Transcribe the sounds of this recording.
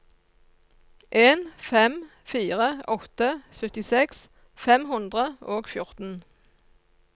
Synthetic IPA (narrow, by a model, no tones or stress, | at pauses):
ʔeːnfɛm | fiːʁəɔt̪əsœt̪ɪsɛks | fɛmhʉnd̪ʁəʔoːɡfjʊʁt̪n̩